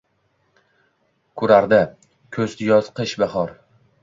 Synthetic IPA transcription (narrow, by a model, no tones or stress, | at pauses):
kʰʊɾaɾd̪ɪ | kʲʰɵzd̪jɒz̥qɨʃbaχɒɾ